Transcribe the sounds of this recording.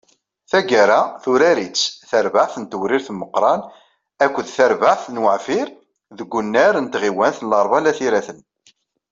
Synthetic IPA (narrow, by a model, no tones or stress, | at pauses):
θæɡaɾaθuɾæɾit͡sːθəɾvaħθənt̪əwɾiɾθmːəqːɾˤɑn | ækʷːəðθəɾvaʕθnwəʕfiɾ | ðəɡʷːʊnːæɾənt̪ʁiwænθənlɑɾˤvɑlæθiɾæθən